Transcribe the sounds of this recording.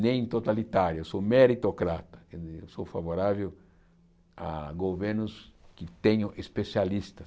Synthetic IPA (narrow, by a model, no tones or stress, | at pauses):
nẽj̃t̪ot̪alit̪aɾjʊewsomeɾit̪okɾat̪ɐ̥ẽniḛwsofavoɾavew | a̰ɡoveɾnʊskɪt̪ẽɲʊ̃ʔespesialist̪ɐ